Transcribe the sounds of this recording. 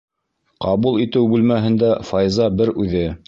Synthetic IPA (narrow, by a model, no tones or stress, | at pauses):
qɑβulˠit̪ɘwbʉlmæɦɘ̆nd̪æfɑjzɑbɘɾʉðɘ